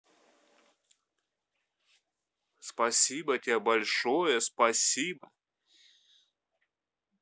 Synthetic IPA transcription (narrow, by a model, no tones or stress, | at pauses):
spɐsʲibətʲebɐlʲʂojəspɐsʲibə